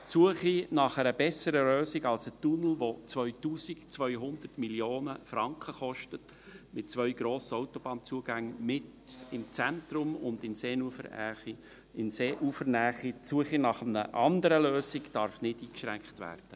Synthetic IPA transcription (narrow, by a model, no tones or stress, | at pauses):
t͡suəχinɑχəɾəbɛsəɾəløːsiɡɑlsətunl̩ʋot͡sʋœʏtuːsikt͡sʋœʏɦʊnd̪ərtmiljoːnəfɾɑŋkχəχɔʃtət | mɪt̚t͡svʋœʏɡɾoːsəɔwtɔb̥ɑːnt͡suəɡæŋmɪt | ɪmt͡sænt̪ɾʊmʊndɪnseːnufə̰ɾæ̰χi | ɪnseːʔufəɾnæːχit͡suəχinɑχəmnə̰ʔɑndəɾəløːsiɡd̥ɑɾfnɪdiːkʃɾæŋkχtʋæ̰ːɾd̥ə